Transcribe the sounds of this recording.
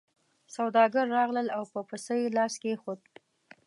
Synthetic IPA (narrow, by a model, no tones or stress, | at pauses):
sawd̪ɑɡaɾːɑɣləlawpəpəsəjlɑskexod̪̚